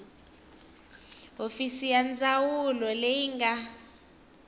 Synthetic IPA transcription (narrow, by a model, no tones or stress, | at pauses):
ofisijand͡zawulɔlejiŋɡa